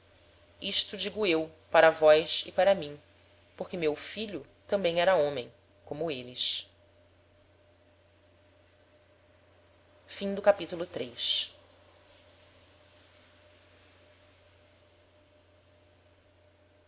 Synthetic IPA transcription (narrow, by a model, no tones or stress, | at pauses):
iʃt̪ʊd͡ʒiɡʊewpaɾɐvɔjʃɪpaɾɐmĩ | poχkɪmewfiʎʊ | t̪ɐ̃mbẽj̃ɛɾɐõmẽj̃ | kõmʊelɪʃ | fĩŋd̪ʊkapit̪ulʊt̪ɾejʃ